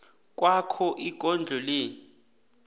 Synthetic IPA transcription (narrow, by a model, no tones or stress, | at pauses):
k̬ʼwakʰɔʔiɡ̥ʱɔnd͡ɮʱɔleː